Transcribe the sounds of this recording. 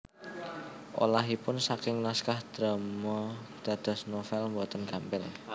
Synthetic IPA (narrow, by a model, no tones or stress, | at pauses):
ʔo̰laɦipʊnsakɪŋnaskahd̪̥ɾəmɔd̪̥a̤d̪̥ɔ̤snofɛlmbɔt̪ənɡ̥a̤mpɪl